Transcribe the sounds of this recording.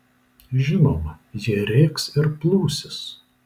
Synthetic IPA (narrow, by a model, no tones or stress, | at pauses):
ʒʲɪnoːmɐ | jɪɾʲeːksɪɾplˠuːsʲɪs